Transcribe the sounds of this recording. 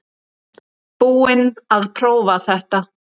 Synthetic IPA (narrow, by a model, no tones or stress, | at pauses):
puːɪnaðpʰɾoːwvaθɛht̪a